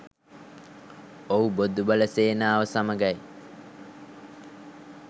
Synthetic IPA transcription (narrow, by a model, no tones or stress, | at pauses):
oubod̪ubələseːnaːʋəsaməɡaj